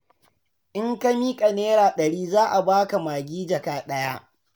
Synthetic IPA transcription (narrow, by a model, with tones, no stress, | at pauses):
ʔɪ˦ŋka˦miː˦kʼɐ˨neː˦ɾaː˨ɗɐ˨ɽiː˦zaː˦ʔa˨baː˦ka˨maː˨ɡʲiː˦d͡ʒɐ˨kaː˨ɗɐ˦ja˦ʔ